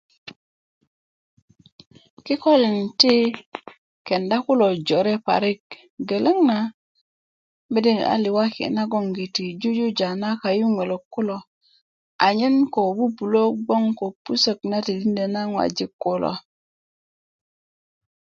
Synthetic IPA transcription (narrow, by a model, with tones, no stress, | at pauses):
ki˦ko˦li˨nti˦ | ke˨nda˦ku˦lo˨d͡ʒo˨ɾe˦pa̰˨ɾi˦k̚ | ɡe˨le˦ŋna˨ | me˦di˦n˨a̰˨li˨wa˦kḭ˨na˦ɡo˦ŋɡi˨ti˨d͡ʒu˦d͡ʒu˦d͡ʒa˨na˦ka˨ju˦ŋʷe˨lo˨kːu˦lo˨ | a˨ɲi˦nko˨bu˦bu˨lo˦ɡ͡bo˦ŋko˨pu˦sə˦kna˦ti˨di˦nde˨na˦ŋwa̰˨d͡ʒi˦kːo˦lo̰˨